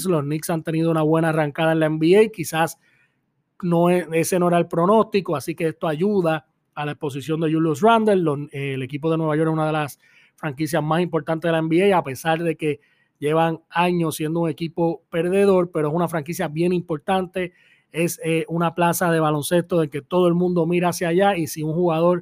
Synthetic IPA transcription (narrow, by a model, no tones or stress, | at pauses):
slo̞sniksant̪e̞niðounaβwe̞naːraŋkaðaenlaembiejkisas | no̞ee̞se̞no̞e̞ɾaelpɾo̞no̞st̪iko̞asike̞est̪oaʝuðaː | laespo̞s̬isjo̞nd̪e̞ʝuljos̬rand̪elloele̞kip̬o̞ðenwe̞βajo̞ɾesunaðe̞las | fɾaŋkis̬jazmasimpo̞ɾt̪ant̪eðelaembiejape̞saɾðe̞ke̞ | ʝe̞βaŋaɲo̞sːje̞nd̪ouŋe̞kipo̞pe̞ɾðe̞ðo̞ɾpe̞ɾoe̞sunafɾaŋkisjaβje̞nimpo̞ɾt̪ant̪e̞ | e̞seʔunaplasaðe̞βalo̞nse̞st̪oðelke̞t̪o̞ðoe̞lmũnd̪o̞miɾaasjaʝaisiuŋhuɣaðo̞ɾ